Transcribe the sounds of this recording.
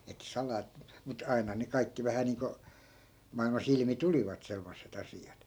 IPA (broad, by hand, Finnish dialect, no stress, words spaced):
etːæ̆ sɑlɑː mut ɑi̯nɑ ne kɑikːi ʋæhæ niːŋko mɑilmɑs ilmi tuliʋɑt semːosːet ɑsiɑt